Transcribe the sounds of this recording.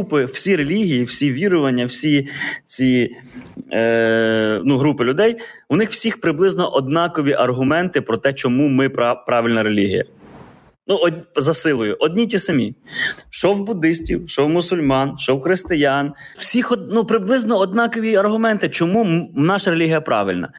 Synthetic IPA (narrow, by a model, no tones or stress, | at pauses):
upɪw̥sʲiɾelʲiɦʲijiwsʲiʋʲiɾʊʋɐnʲːɐwsʲit͡sʲi | nuɦɾupɪlʲʊd̪ɛjwnɪxw̥sʲixpɾɪblˠɪznɔʔɔd̪nɑkɔʋʲiʔɐrɦʊmɛnt̪ɪpɾɔt̪ɛt͡ʃɔmumɪppɾɑʋʲɪlʲnɐɾe̞lʲiɦʲḭjɐ̰ | nuɔzɐsɪlˠʊjʊʔɔd̪ʲnʲitʲisɐmʲiʃɔwbʊd̪ɪsʲtʲiwʃɔwmʊsʊlʲmɑnʃɔwxɾɪst̪ɪjɑnw̥sʲixɔnupɾɪblˠɪznɔɔd̪nɑkɔʋʲiɐrɦʊmɛnt̪ɪt͡ʃɔmumnɑʃɐɾelʲiɦijɐpɾɑ̰ʋɪlʲnɐ̰